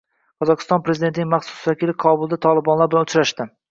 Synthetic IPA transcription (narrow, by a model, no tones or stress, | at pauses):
qʰɒzɒqʰɨ̥st̪ɒnpɾezɪd̪e̞nt̪ɪnɪŋmɑχsʊ̥svakʲɪlɪqʰɒbʊlˠd̪at̪ʰɒlˠɪbɒnlaɾbɪlanʊt͡ʃɾaʃt̪ɪ